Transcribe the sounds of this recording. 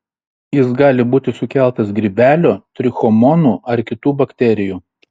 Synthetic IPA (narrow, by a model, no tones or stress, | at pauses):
jɪsɡɑːlʲɪbuːt̪ʲɪsʊkʲæˑlˠt̪ɐsɡɾʲɪbʲæːlʲoːt̪ʲɾʲɪxɔmɔnuːɐɾkʲɪt̪uːbɐkʲt̪ʲɛɾʲɪjuː